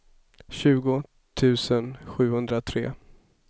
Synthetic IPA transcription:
ɕʉ̟ːɡʊ | t̪ʰʉ̟ːsənɧʉ̟ːhɵnd̪ɾat̪ʰɾḛː

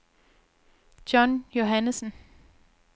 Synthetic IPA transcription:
d̥jɒnjo̝ɦænəsn̩

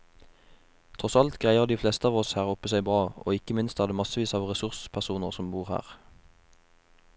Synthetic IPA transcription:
t̪ʰʁɔsɑlt̪ɡʁæɪəʁd̪iːfleːst̪əɑːʋɔshæːʁʊpəsæɪbʁɑːʔo̰ːɪkəmɪnst̪æʁd̪eːmɑsəʋiːsɑːʋʁɛsʉʁspʰæʁsuːnəʁsɔmbuːʁhæ̰ːʁ

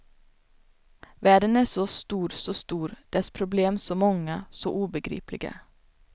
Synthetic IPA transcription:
væːɖənæʂɔst̪uːɾsɔst̪uːɾd̪̥ɛspʰɾʊbleːmsɔmɔŋːasɔʔuːbəɡɾḭːplɪ̰ɡə̰

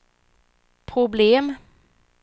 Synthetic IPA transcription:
pʰʁʊbleːm

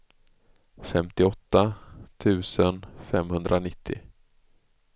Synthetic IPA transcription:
fɛmt̪ɪɔt̪ːat̪ʰʉ̟ːsənfɛmhɵnd̪ɾʔanɪt̪ʰːɪ̰

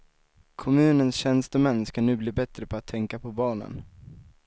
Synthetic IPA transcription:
kʰɔmʉ̟ːnənsɕɛnst̪ɔmɛnːskanʉ̟ːbliːbɛt̪ɾəpʰɔat̪ʰːɛŋkapʰɔbɑːnə̰n

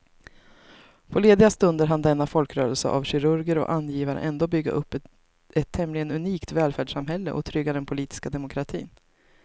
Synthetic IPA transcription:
pʰɔleːd̪ɪɡast̪ɵnd̪əɾɦand̪ɛnːafɔlkɾœːɾəlsə̰ʔa̰vɕɪɾɵɾɡəɾɔ̰ʔanjiːvaɾə̰ʔɛnd̪oːbʏɡːa̰ʔɵpː | ɛt̪ʰːɛmlɪɡənɵniːkt̪vɛːlfæːɖʂamɦɛlːə̰ʔɔ̰t̪ʰɾʏɡːad̪ɛnpʰʊliːt̪ɪ̥skad̪ɛmʊkʰɾat̪ʰḭːn

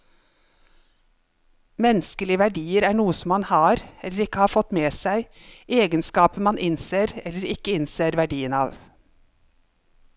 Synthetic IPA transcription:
mɛnskəlɪʋæɖiːəɾæːɳuːəsɔmːɑnhɑːɾɛləɾɪkəhɑːfɔt̪meːsæɪʔeːɡənskɑːpəmɑnʔɪnseːɾɛləɾɪkəɪnseːɾʋæɖiːənɑːʋ

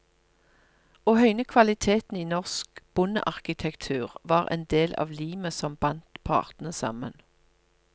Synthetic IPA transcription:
oːhœʏnəkʰʋɑlɪt̪ʰeːt̪n̩iːnɔʁskb̥ʊnə̰ʔɑʁkɪt̪ʰɛkt̪ʰʉːʁʋɑːʁḛːnd̪eːlʔɑ̰ːʋliːməsɔmbɑnt̪pʰɑ̰ːʁt̪n̩əsɑ̰mə̰n

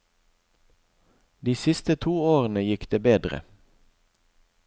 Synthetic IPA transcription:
d̪iːsɪst̪ət̪ʰuːoːʁənəjɪkd̪eːbeːd̪ʁə̰

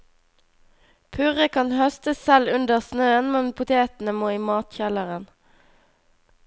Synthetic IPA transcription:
pʰʉʁəkʰɑnhœst̪əssɛlʉnd̪əʁsnøːənmɛnpʰʊt̪ʰeːt̪n̩əmoːiːmɑːt̪çɛləʁən

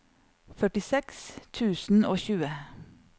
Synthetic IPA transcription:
fœʈɪsɛkst̪ʰʉːsn̩oːçʉːə

